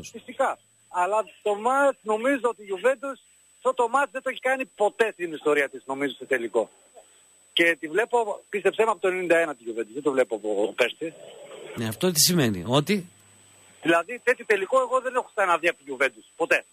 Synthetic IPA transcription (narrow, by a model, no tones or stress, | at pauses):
fist̪ikɐː | lɐt̪o̞mɐt͡sno̞mizoot̪iʝuve̞nd̪us | ft̪ot̪o̞mɐt͡sðe̞t̪oeçikɐnipo̞t̪e̞st̪inist̪o̞ɾiɐt̪isno̞mizoset̪e̞liko̞ | ce̞t̪ivle̞po̞pist̪e̞psemɐpot̪onenind̪ɐenɐt̪iʝuve̞nd̪uzðet̪ovle̞poɐpopeɾsineɐft̪ot̪isimenḭo̞t̪i | ðilɐðit̪et̪it̪e̞liko̞e̞ɣo̞ðe̞nexost̪ɐnɐðiɐpoʝuve̞nd̪uspo̞t̪e̞